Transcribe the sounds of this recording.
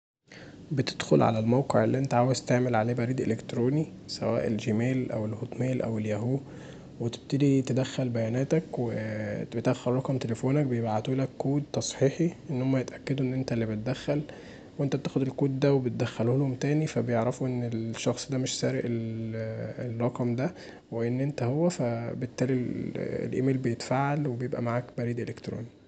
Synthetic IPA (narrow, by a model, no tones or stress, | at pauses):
bet̪e̥d̪̥xolʕa̰lælmæwqeʕelːiʔent̪æʕaːwezt̪eʕmelʕaleːbæɾiːd̪ʔelekt̪ɾoːnisæ̰wæ̰ːʔelʒemæːlʔæ̰welhot̪ˤmæːlʔæ̰weljæɦuː | wet̪e̥b̚t̪ed̪it̪ed̪æxːælbæjæːnæːt̪ækwebet̪ʔæxːɑɾˤɾˤɑkɑmt̪elefoːnæk̚bejebʔʕʕt̪uːlækːuːd̪̚t̪ɑsˤħiːħiʔenːhomːæjet̪ʔækːæd̪uʔenːʔent̪ælːibet̪̚d̪æxːæl | weʔent̪æt̪æːxod̪elkuːd̪d̪æwebet̪̚d̪æxːæluhlhomt̪æːnifæbejeʕɾɑfuʔenːelʃːɑxsˤd̪æmeʃsæːɾeʔel | errˤɑqɑmd̪æ | weʔenːʔent̪æhowːæfæbet̪ːæːliḛlʔḛmeːlbejet̪faːʕalwebejebʔæ̰maʕaːkbæɾiːd̪ʔelekt̪ɾo̰ːni